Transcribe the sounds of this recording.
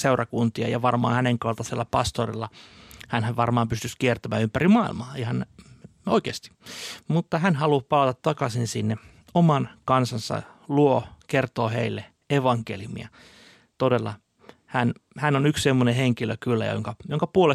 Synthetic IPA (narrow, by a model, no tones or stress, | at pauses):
seurɑkunt̪iɑ̰jɑʋɑrmɑ̰ːhæneŋkɑlt̪ɑselːæpɑst̪orḭlːɑhænhæʋʋɑrmɑːmpyst̪yskiert̪æmæːympærimɑḭlmɑːihɑn | oikeːst̪i̥mut̪ːɑhænhɑlupɑlɑt̪ɑt̪tːɑkɑsinsinːe | omɑnkɑnsɑnsɑ̰luokert̪oːhḛilːe | eʋɑŋkeljumḭɑ̰ | t̪odelːɑ | hænhænːonykssemːoneheŋkilø̰kylːæ̰jo̰ŋkɑjoŋkɑpuole